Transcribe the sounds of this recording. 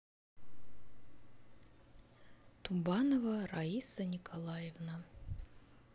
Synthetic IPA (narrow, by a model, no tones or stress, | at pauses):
t̪ʰumbɑnovəɾaisənʲikʰolˠɑjevnə